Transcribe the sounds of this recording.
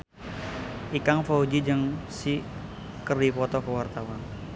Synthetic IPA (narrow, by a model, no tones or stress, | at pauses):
ʔikaŋfaud͡ʒid͡ʒəŋsi | kəripɔt̪ɔkəwart̪awan